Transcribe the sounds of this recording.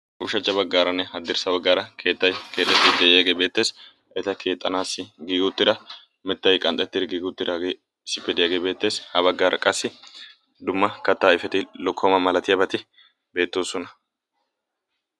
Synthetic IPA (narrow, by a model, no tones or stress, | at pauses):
ʔʊʃɐt͡ʃːɐbɐɡːaːɾɐnːɛhɐd̪ːɪɾsɐbɐɡːaːɾɐkʰe̞ːt̪ːɐjke̞ːt̪ʼːɛt̪ːɪd̪ɛʔɪjaːɡe̞ːbe̞ːt̪ːe̞ːs | ɛt̪ɐkʰe̞ːt̪ʼːɐnaːsɪɡiːɡʊt̪ːɪd̪ɐ | mɛt̪ːɐjkʼɐnt̪ʼːɛt̪ːɪd̪ɪɡiːɡʊt̪ːɪd̪aːɡeː | sɪpːɛd̪ɪjaːɡe̞ːbe̞ːt̪ːe̞ːshɐβɐɡːaːɾʔɐkʼɐsːɪ | d̪ʊmːɐkɐt̪ːaːɪfɛt̪ɪlɔkʰːɔmɐmɐlɐt̪ɪjɐbɐt̪ɪ | be̞ːt̪ːoːsɔnɐ